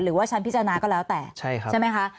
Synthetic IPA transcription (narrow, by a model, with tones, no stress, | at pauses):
ɾɯː˨˩˦waː˥˩t͡ɕʰa˦˥npi˦˥tt͡ɕːa˧naː˧kɔː˥˩lɛː˦˥wt̪ɛː˨˩t͡ɕʰa˥˩jkʰa˥˩ma˦˥jkʰa˦˥ʔ